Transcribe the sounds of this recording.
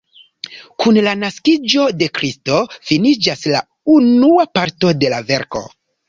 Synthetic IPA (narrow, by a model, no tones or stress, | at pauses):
kunlanaskid͡ʒo̞de̞kɾisto̞finid͡ʒasla̰ | unuapaɾto̞de̞lave̞ɾko̞̰